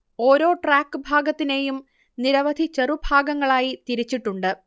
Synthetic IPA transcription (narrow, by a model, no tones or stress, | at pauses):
o̞ːɾo̞ːʈraːkːɨbʱaːɡɐt̪ːine̞ːjum | niɾɐʋɐd̪ʱit͡ɕerubʱaːɡɐŋːɐɭaːjit̪iɾit͡ɕːiʈːuɳɖɨ